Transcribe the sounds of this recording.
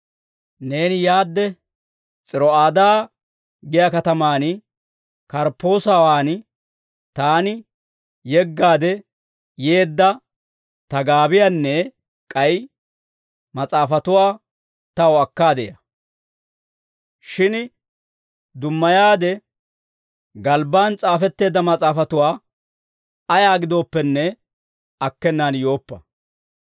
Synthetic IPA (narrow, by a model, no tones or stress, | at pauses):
ne̞ːnɪjaːd̪ːɛ | t͡sʼɪɾɔaːd̪aː | ɡɪjɐkɐt̪ɐmaːn | kɐɾpːo̞ːsawaːn | t̪aːnɪ | jɛɡːaːd̪ɛ | je̞ːd̪ːɐ | t̪ɐɡaːbɪjanːɛ | kʼɐj | mɐt͡sʼaːfɐt̪ʊwaː | t̪ɐwɐkːaːd̪ɛjɐ̰ | ʃɪn | d̪ʊmːɐjaːd̪ɛ | ɡɐlbaːnt͡sʼaːfɛt̪ːe̞ːd̪ːɐmɐt͡sʼaːfɐt̪ʊwaː | ɐjaːɡɪd̪o̞ːpːɛnːɛ | ɐkːɛnːaːnjo̞ːpːɐ